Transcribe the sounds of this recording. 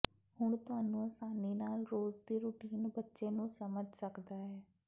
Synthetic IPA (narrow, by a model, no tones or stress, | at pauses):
hʊɳ̃t̪ʊɦaːnũːəsaːniːnaːlɾoːzd̪iːɾʊʈiːnbətːʃeːnũːsəməd͡ʒʱsəkd̪aːɦɛː